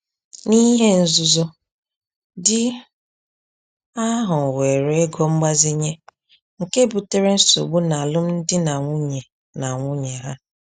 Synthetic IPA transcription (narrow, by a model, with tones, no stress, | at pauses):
ni˦ɦe˦n̩˦zu˦zo˦ | dɪ˦ | a˦ɦʊ˨we˨ɾe˦e˦ɡɔ˦ŋ͡m̩˦ɡ͡ba˦zi˦ɲe˦ | ŋ̩˨ke˦bu˨te˦ɾe˦n̩˦so̰˨ɡ͡bu˦na˨a˨lʊ˦m̩˦n̩˦dɪ˦na˨ŋʷu˦ɲe˨ | na˨ŋʷʊ˦ɲe˨ɦa˦